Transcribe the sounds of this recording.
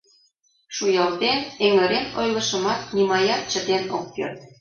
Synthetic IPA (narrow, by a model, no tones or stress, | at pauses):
ʃujɑlt̪eneŋɘ̆ɾenojlɤ̆ʃə̆mɑt̪̚nimɑjɑt͡ɕə̆t̪enok̚pø̰rt̪̚